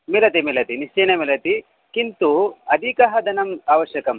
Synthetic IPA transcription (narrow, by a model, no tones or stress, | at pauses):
milɐt̪imilɐt̪iniʃt͡ʃeːnɐmilɐt̪i | kint̪uɐd̪ʱikɐɦɐd̪ʱɐnɐmaːʋɐʃjɐkɐm